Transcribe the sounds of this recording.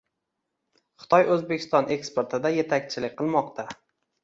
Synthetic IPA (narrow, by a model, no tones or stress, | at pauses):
χɨ̥t̪ʰɒjɵzbe̞kʰʲɪ̥st̪ɒnʔe̞kspe̞ɾt̪ʰɪd̪aje̞t̪ʰakʲt͡ʃʰɪlɪkʲqʰɨlˠmɒqt̪ʰa